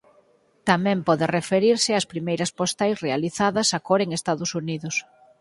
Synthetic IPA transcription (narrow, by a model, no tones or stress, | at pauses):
t̪amɛ̃mpɔðɪrefeɾiɾsɪaspɾimejɾɐspost̪ajsrealiθaðɐsakɔɾeŋest̪aðʊsuniðʊs